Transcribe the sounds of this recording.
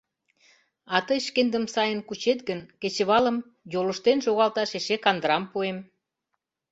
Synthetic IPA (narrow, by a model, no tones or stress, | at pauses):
ɑt̪əjʃkend̪əmsɑjənkut͡ɕet̪ɡənket͡ɕə̆βɑlə̆m | jolə̆ʃt̪enʃoɣɑlt̪ɑʃeʃekɑnd̪əɾɑmpuem